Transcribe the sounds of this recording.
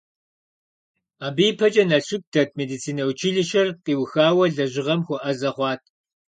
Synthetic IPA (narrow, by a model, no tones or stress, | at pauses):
aːbiːpʰɐt͡ʃʼɐnɐɬɪp̚dʰɐt̚ʰmeːdit͡sʰiːnɐwt͡ʃʰiɮɨʃɐrqiːwxaːwɐɮɐʑɪʁɐmxʷʊʔɐzɐχʷɑːtʰ